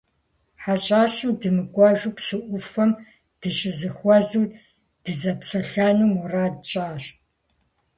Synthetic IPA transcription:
ħaɕʼaːɕɨmdɨmɨkʷʼɔʒupsɨʔʷʊfɐm | d̥ɨɕʼɪzɨχʷɔzɨw | d̥ɨzɐpsɐɬɐnuːmuraːdt͡ʃʼaːɕ

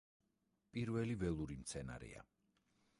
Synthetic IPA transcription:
pʼiɾvɛlivɛlˠuɾimt̪sʰɛna̰ɾɛ̰a̰

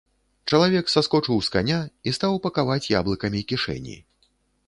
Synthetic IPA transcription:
t͡ʂɐlˠavʲɛksaskɔt͡ʂɨwska̰nʲaist̪awpɐkavat͡sʲja̰blˠɨkɐmʲikʲiʂɛ̰nʲḭ

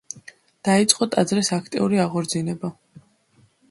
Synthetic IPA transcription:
d̪̥ait̪sʼqʼɔt̪ʼad̪zɾɛsakʰt̪ʼḭuɾiaʁɔɾd̪zinɛba

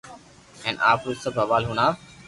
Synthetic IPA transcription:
ɛ̃ːnʔaːfuzsəbʱɦɐʋaːlɦunaː

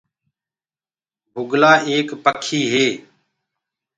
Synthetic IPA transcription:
bʱʊɡlaːʔeːkpəkʰiːɦeː

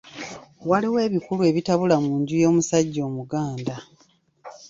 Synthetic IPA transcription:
waliwe̞ːβikulue̞βitaβulamuːɲɟujo̞ːmusaɟːo̞ːmuɡaːnda

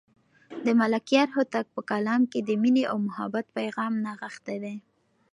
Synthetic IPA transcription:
d̪əmalakijɑɾɦʊt̪ak̚pəkalɑmked̪əmineʔawmʊha̰bat̪̚pajɣɑmnaɣəxt̪ed̪e

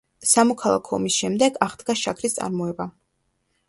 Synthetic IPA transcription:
samɔkʰalˠa̰kʰɔɔmisʃɛmd̪ɛɡaʁd̪ɡaʃakʰɾist̪sʼa̰ɾmɔɛba

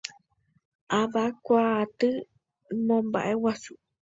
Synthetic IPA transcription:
ʔaβakʷat̪ɨ | mõmba̰ʔewasu

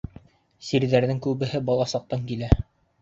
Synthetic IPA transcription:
siɾðæɾðɘŋkʉβɘ̆ɦɘbɑlˠɑsɑq̚t̪ɑŋkilæ

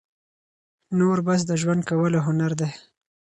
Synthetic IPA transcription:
noɾbas̬d̪əʒwand̪̚kawəloɦʊnaɾd̪e

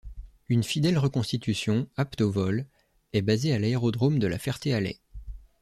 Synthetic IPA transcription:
ynfid̪ɛlʁəkɔ̃st̪it̪ysjɔ̃apt̪ovɔl | ɛbazealaeʁɔd̪ʁomd̪əla̰fɛʁt̪ealɛ̰

